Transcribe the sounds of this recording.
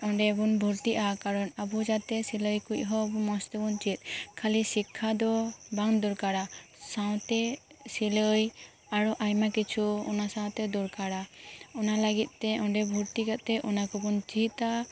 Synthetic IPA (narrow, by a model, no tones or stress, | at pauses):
ɔɳɖɛbunbʱuɾt̪iʔakaɾɔnabud͡ʒat̪ɛsiləjkuc̚ˀɦɔbumɔst̪ɛbunt͡ʃit̪̚ˀkʰalisikʰːad̪ɔbaŋd̪uɾkaɽasaw̃t̪ɛsiləj | aɾɔʔajmakit͡ʃʰuɔ̰nasãw̃t̪ɛd̪uɾkaɽaɔnalaɡit̪̚ˀt̪ɛɔɳɖɛbʱuɾt̪ikat̪ɛʔɔnakɔbunt͡ʃit̪a